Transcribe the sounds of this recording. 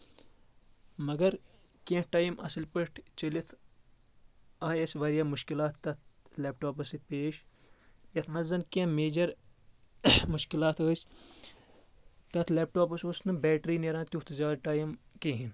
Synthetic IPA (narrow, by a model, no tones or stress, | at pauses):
mɐɡɐɾkẽːʈaːjimʔɐ̰sɐlpəʈt͡ʃɐlit̪ʰ | aːjɐsʲʋɐɾjaːmuʃkilaːt̪ːɐt̪ʰleːpʈoːpɐsit̪̚peːʃ | jɐt̪ʰnɐzɐnkẽmeːd͡ʒɐɾ | muʃkilaːt̪ʰəːsʲ | t̪ɐt̪ʰleːp̚ʈoːpɐsosnɨbɛːʈɾiːneɾãːt̪ut̪zʲaːɾʈaːjimkẽːɦin